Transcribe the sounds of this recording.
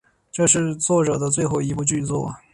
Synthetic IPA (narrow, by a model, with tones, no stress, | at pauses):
ʈ͡ʂɤ˥˧ʂɻ̩˥˧t͡swɔ˥˩ʈ͡ʂɤ˨˩d̪ə˦t͡swe˥˧ɪxo˥˩ʊi˧˥pu˧t͡ɕy˥˧t͡swɔ̰˥˩